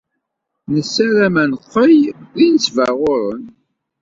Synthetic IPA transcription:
nəsːæɾæmænqːəjðinəsvæʁʊɾən

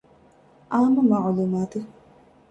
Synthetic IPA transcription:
ʔaːmumɐʕluːmaːt̪e

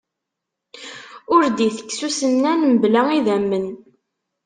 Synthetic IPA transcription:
ʊɾd̪iθə̥kːsusənːænməblæiðæmːən

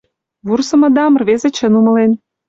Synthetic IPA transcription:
βursə̆mɤ̆d̪ɑmə̆rβezĕt͡ɕə̆numɤ̆len

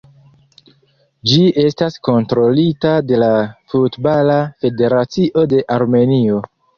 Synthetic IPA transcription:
d͡ʒie̞stasko̞ntɾo̞litade̞lafutbalafe̞de̞ɾat͡siʔo̞de̞ʔaɾme̞nio̞

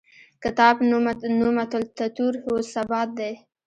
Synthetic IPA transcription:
kɪt̪ɑbnumat̪ʊlt̪at̪uɾhosabɑt̪̚d̪ej

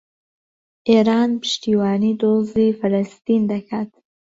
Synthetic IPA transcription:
eɾɑnpʰə̥ʃt̪iwɑːnid̪ozifalast̪ind̪akʰat̪

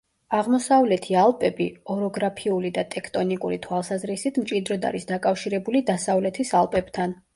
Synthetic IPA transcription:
aʁmɔsavlɛt̪ʰialˠpʼɛbiɔɾɔɡɾapʰiulid̪at̪ʼɛkʰt̪ʼɔnikʼuɾit̪ʰwalˠsazɾisit̪ʰmt͡ʃʼid̪ɾɔd̪a̰ɾisd̪akʼafʃiɾɛbulid̪asavlɛt̪ʰisalˠpʼɛb̥t̪ʰan

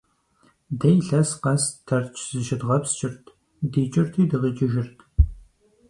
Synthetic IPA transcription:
dɐjɬɐsqɐstʰɐrt͡ʃʰz̥ɨʃɪdʁɐpst͡ʃʼɪrtʰ | diːt͡ʃʼɪrtʰiːdɨʁɨt͡ʃʼɪʒɪrtʰ

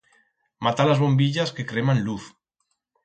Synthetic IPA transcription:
mat̪alazβombiʎaskekɾemanluθ

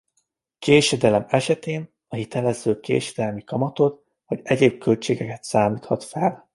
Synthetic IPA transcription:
keːʃɛd̪ɛlɛmɛʃɛt̪eːn | ɒhit̪ɛlɛzøːkḛːʃɛd̪ɛlmikɒmɒt̪o̞t̪ | hɒɟɛɟeːb̚kø̞lt͡ʃeːɡɛkɛt̪saːmiːt̪ʰhɒt̪fɛl

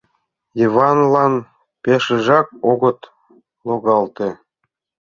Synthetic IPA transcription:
ivɑnlɑn | peʃə̆ʒɑk̚oɣə̆t̪ | loɣɑlt̪e

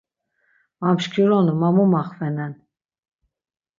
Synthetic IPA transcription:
amʃkʰiɾɔnumamumaχvɛnɛn

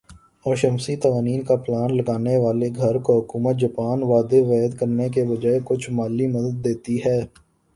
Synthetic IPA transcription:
ɔːʃəmsit̪ɐʋaːniːnkaplaːnlɐɡaːneʋaːleɡʱɐɾkoɦʊkuːmət̪̚d͡ʒɐpaːnʋaːd̪eʋɛːəd̪kəɾnekebɐd͡ʒaːekʊt͡ʃʰmaːlːimɐd̪əd̪ːeːt̪iɦɛː

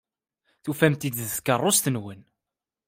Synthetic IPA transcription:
θufæmt̪id̪ðθkərˤːost̪ənwən

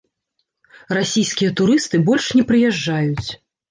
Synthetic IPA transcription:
rasʲijskʲijɛt̪uɾɨst̪ɨbɔlʲʂnʲɛpɾɨjɛʐːajut͡sʲ

